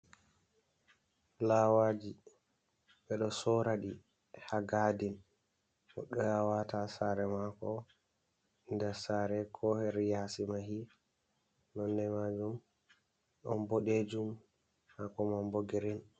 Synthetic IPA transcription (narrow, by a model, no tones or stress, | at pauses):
lawad͡ʒi | ɓɛɗɔsɔɾaɗi | haɡadin | ʔɔ̰ɗɔjawatasaɾɛmakɔ | ndɛsaɾɛkʰɔhɛɾijasimaɦi | nɔndɛmad͡ʒum | ɗɔ̰nboɗed͡ʒum | hakɔmamboɡeɾin